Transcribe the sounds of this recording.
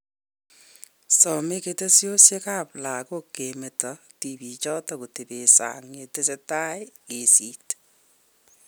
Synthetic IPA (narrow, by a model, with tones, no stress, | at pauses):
sɔ˨me˦kete˦sjo˦sje˦ka˦pla˨koke˨me˨tɔ˨ | ti˨bi˨t͡ʃɔ˦tɔku˨te˨be˨sa̰ŋe˨te˦se˦ta˦e˦ke˨si˦t